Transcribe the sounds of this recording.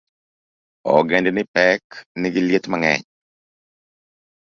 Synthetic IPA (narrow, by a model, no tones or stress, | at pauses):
ɔ̰ɡendnɪpɛknɪɡɪljet̪maŋɛ̰ɲ